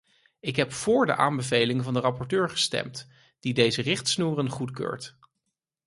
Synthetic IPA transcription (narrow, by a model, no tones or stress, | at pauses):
ɪkɦɛpfʊːɹdə̰ʔa̰ːmbəvejlɪŋvɑndərɑpɔɹtøːɹχə̥stɛ̰mt | d̥idejzərɪχtsnuːrənχutkø̰ːɹt